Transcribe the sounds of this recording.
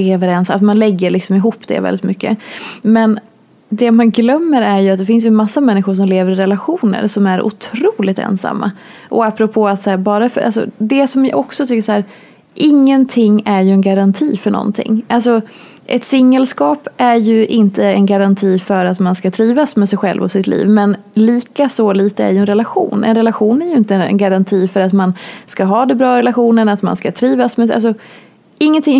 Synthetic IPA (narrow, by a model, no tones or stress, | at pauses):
eːvəɾɛnsat̪manlɛɡːəɭɪksɔmɪɦuːpːd̪ɛ̰vɛ̰ɪt̪mʏkːə̰mɛn | d̪ɛmanɡlœmːəɾæɾjɵat̪̚d̪ɛfɪns̬jɵnmasːamɛnːɪɧʊʂ̬ɔmleːvəɾɪɾɛlaɧuːnə̰ɾsɔmæɾʔʊ̰t̪ʰɾuːlɪt̪ɛ̰nsa̰mːa̰ | ʔɔapːɾɔpʰoːat̪sæːbɑːɾafœɾʔa̰s̬ɔ̰d̪ɛsɔmjɑ̰ʔɔksɔt̪ʰʏkːəʂhæːɾ | ʔɪŋːənt̪ʰɪŋːæɾjɵɛnɡaɾant̪ʰiːfœɳɔ̰nt̪ʰɪ̰ŋːʔalsɔ | ʔɛt̪sɪŋːəlskɑːpæɾjɵʔɪnt̪əɛnɡaɾant̪ʰiːfœɾat̪manskat̪ʰɾiːvasmɛsɛjɧɛ̰lvɔ̰sːɪt̪lḭːvmɛn | liːkasɔliːt̪əæ̰ɾjɵɛnɾɛlaɧṵːnɛ̰nɾɛlaɧuːnæɾjɵɪnt̪əɛ̰nɡaɾant̪ʰiːfœɾat̪manskaɦɑːd̪ɛbɾɑːɾɛlaɧuːnənat̪ma̰nskat̪ʰɾiːvasmɛa̰ls̬ɔ | ɪŋːənt̪ɪŋ